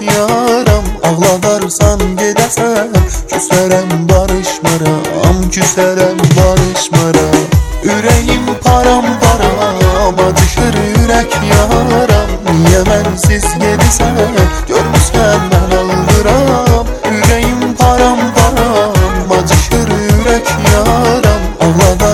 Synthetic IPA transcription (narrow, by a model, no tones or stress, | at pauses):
jɑɾɑmɑɣlˠɑd̪ɑɾsɑnɟed̪ɛsæcʰysæɾæmbɑɾɯʃmɑɾɑ̰mɟʰysæɾæmbɑɾɯʃmaɾɑyɾɛjimpʰɑɾɑmpʰɑɾɑmɑd͡ʒɯʃɯɾyɾɛcʰjaɾamjemænsizɟed̪isɛɟ̥øɾmysæɾnænalˠd̪ɯɾam | yɾejimpʰaɾampʰaɾamːad͡ʒɯʃɯɾyɾɛcʰjaɾamalˠad̪a